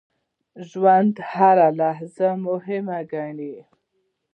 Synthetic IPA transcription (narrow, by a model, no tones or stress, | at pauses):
ʒwand̪haɾalaɦzamʊɦɪmaɡaɳi